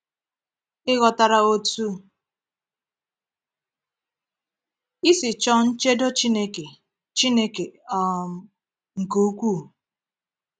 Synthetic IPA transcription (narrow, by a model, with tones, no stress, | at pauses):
ɪ˦ɣɔ˨ta˨ɾa˨o˦tu˦ | i˦sɪ˨t͡ʃɔ˦n̩˦t͡ʃe˦do˦t͡ʃi˦ne˦ke˨ | t͡ʃi˦ne˦ke˨ɔ˦˨ | ŋ̩˨ku˨u˦kʷuː˦˨